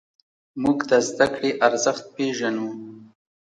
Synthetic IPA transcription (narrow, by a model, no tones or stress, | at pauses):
muɡt̪azd̪akɽeʔaɾzaxt̪̚peʒanu